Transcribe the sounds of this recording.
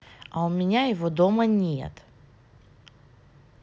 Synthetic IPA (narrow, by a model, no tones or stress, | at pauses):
ɐʊmʲɪnʲajɪvod̪omənʲḛt̪